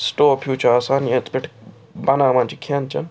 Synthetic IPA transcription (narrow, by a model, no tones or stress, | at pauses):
sʈoːpʰjuːt͡ʃʰəaːsaːnjẽt̪pɪʈʰ | bɐnãːmãnt͡ʃikʰant͡ʃɐ̰n